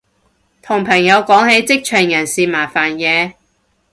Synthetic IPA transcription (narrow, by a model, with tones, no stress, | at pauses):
t̪ʰʊ˨˩ŋpʰɐ˨˩ŋjɐ˨˧wkɔː˨˥ŋhe˨˥jt͡sɪ˥k̚t͡ʃʰœː˨˩ŋjɐ˨˩nsiː˨maː˨˩faː˨˩njɛː˨˧